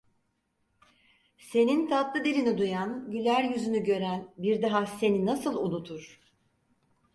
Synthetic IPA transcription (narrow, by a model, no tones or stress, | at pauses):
se̞nint̪ʰat̪lˠɯd̪ilʲinid̪ujanɟylʲæɾjyzynyɟø̞ɾænbiɾd̪aɦase̞ninasɯlˠunut̪ʰuɾ̥